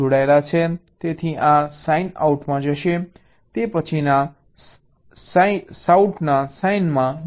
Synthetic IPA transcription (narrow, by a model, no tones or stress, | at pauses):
oɽaelat͡ʃʰet̪et̪ʰiʔasaina̰uʈmãd͡ʒəʃe | t̪epət͡ʃʰina | ssauʈnasainmã